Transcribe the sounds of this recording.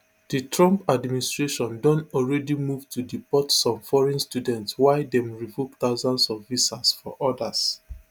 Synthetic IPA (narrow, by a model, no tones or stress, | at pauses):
d̥itɹɔ̃mpadministɹeʃɔ̃ndɔ̃nɔlɹɛdimuvtʰudipɔtsɔ̃mfɔɹɛ̃nstjudɛ̃ntswaɪdɛ̃mɹivok̚t̪aʊzãndsɔvisasfɔ̰ʔɔdas